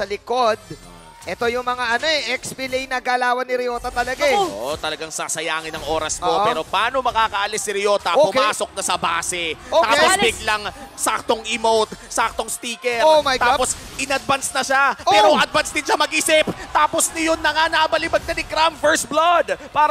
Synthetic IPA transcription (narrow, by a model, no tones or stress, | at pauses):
sɐlɪkod̪̚ | ʔɛt̪ojʊŋmɐŋaʔɐnoɛʔɛkspɪlejnɐɡalaːwɐnɪɾɪjo̞ːt̪ɐt̪ɐlɐɡaoʔot̪ɐlɐɡaŋsasɐjaːŋɪnɐŋʔo̞ːɾɐst̪opɛːɾo̞pɐʔaːno̞mɐkaːkɐʔɐlɪsnɪɾɪjoːt̪ɐpoʊaːso̞k̚nɐsɐba̰ːsɛotːt̪aːposbɪɡlɐŋsak̚t̪oŋʔɪmowt̪sak̚t̪o̞ŋst̪iːkɛoɐjɡt̪aapo̞s | ʔɪnɐd̪̚bɐnsnɐʃapɛːɾoʔɐd̪̚bɐnsd̪ɪnʃamɐɡʔiːsɪpt̪aːposnɪjonːɐŋanɐʔɐbɐlɪbɐɡ̚nɐnɪkɾamfɛɹsblod̪paːɾ